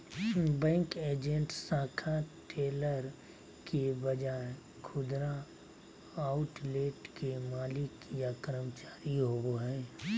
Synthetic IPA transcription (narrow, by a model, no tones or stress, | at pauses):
bɛ̃ːŋkeːd͡ʒẽɳʈsãːkʰaʈeːləɾ | kebɐd͡ʒaːe | kʰʊd̪ɾa | aʊʈleːʈkemaːlɪkjakəɾəmət͡ʃaːɾiɦoɡoɦɛː